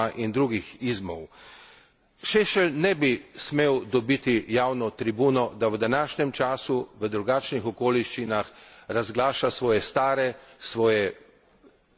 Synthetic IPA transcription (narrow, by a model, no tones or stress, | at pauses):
aʔind̪ɾuːɡixizmɔw | ʃeʃɛlnɛbismeːwd̪ɔbit̪ijaːwnɔt̪ɾibuːnɔd̪awəd̪anaːʃɲɛmt͡ʃaːsuʋəd̪ɾuɡaːt͡ʃnixɔkoːliʃt͡ʃinaxɾazɡlaːʃasʋɔːjɛst̪aːɾɛsʋɔːjɛ